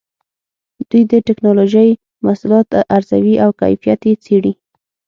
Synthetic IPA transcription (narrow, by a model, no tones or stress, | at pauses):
d̪̥ujd̪əʈɪknɑloʒəj | masulɑt̪ʔaɾza̰wiʔawka̰jfijat̪jet͡seɽi